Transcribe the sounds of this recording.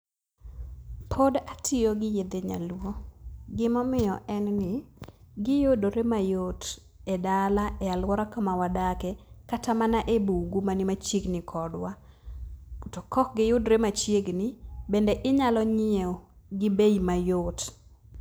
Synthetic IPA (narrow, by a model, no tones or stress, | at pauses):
pʰodatʰɪjoɡɪjed̪eɲa̰lwoɡɪmɔmɪjɔʔɛnnɪɡɪjodoɾemajot | ɛdalaɛalwɔɾakamawadakɛkatamanaʔebuɡumanimat͡ʃjeɡnɪkʰɔdwa | ɔtɔkɔk̚ɡɪjʊdɾemat͡ʃjeɡnɪbendeʔɪɲalɔɲɪe | ɡɪbejimajot